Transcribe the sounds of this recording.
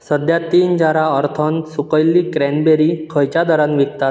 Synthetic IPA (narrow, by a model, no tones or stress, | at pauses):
səd̪jat̪iːnd͡ʑaɾaəɾt̪ʰɔnsukəjlːiːkɾɛnbeɾikʰəjt͡ɕad̪ɔɾãnʋikt̪at̪̚